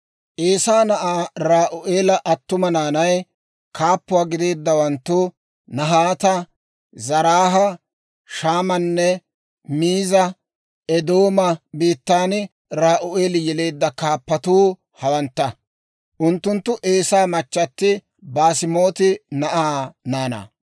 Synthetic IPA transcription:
ʔeːsaːnɐʔaːɾaːʔʊʔeːlɐʔɐt̪ːʊmɐnaːnɐj | kʰaːpːʊwaːɡɪd̪e̞ːd̪ːɐwɐnt̪ːʊ | nɐɦaːt̪ɐ | zɐɾaːɦɐ | ʃaːmɐnːɛ | miːzɐ | ɛd̪o̞ːmɐbiːt̪ːaːn | ɾaːʔʊʔeːlɪjɛle̞ːd̪ːɐkaːpːɐt̪uː | hɐwɐnt̪ːɐ | ʔʊnt̪ːʊnt̪ːʊʔe̞ːsaːmɐt͡ʃːɐt̪ːɪ | baːsɪmo̞ːt̪ɪnɐʔaːnaːnɐ̰ː

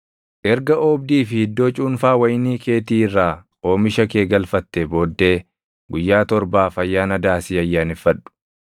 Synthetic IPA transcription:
ʔɛɾɡɐʔoːb̚d̪iːfɪhɪd̪ːo̞ːt͡ʃʼuːnfaːwɐjniːkʰe̞ːt̪iːɪrːaː | o̞ːmɪʃɐke̞ːɡɐlfɐt̪ːɛbo̞ːd̪ːe̞ː | ɡʊjːaːt̪ɔɾbaːfɐjːaːnɐd̪aːsiːɐjːaːnɪfːɐɗːʊ̥

